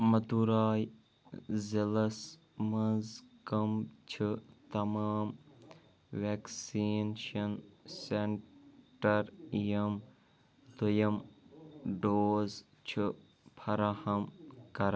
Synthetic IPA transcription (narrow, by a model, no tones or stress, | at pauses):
mɐd̪uɾaːj | zilɐs | mɐzkɐmt͡ʃʰit̪ɐmaːm | ʋeksiːnʃɐnseɳʈɐɾjɐm | d̪ɐjɐm | ɖoːz | t͡ʃʰɨ | pʰɐɾahɐmkɐɾ